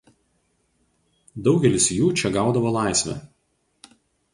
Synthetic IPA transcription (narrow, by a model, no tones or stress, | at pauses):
d̪ɒʊɡʲɛlʲɪsjuːt͡ʃʲɛɡɑˑʊd̪ɐʋolˠɑˑɪsʲʋʲɛ̰